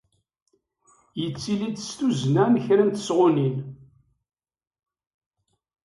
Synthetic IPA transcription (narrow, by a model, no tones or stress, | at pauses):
jət͡sːilid̪st̪uznænçɾænt̪ə̥sʁʊnin